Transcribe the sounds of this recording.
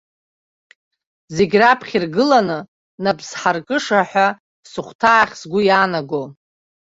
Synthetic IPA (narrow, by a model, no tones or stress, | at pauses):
ze̞ɡʲrapʰχʲirɡɨlanɨ | napʰʼzħarkʼɨʂaħʷᶣa | sɨχʷtʰaːχʲzɡʷʊjaːnaɡo